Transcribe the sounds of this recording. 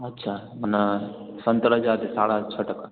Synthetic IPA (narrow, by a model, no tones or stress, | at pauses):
ɐtːʃʰamɐnɐsɐnt̪ɐɾɐd͡ʒaːd̪esaːɽat͡ʃʰɐʈɐk